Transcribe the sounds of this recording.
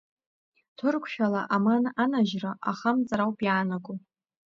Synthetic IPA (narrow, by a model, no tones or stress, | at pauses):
tʰɨrkʷʰʃᶣalaʔamananaʒraʔa̰χamt͡sʼaɾawpʼjaːnakʷʼʊ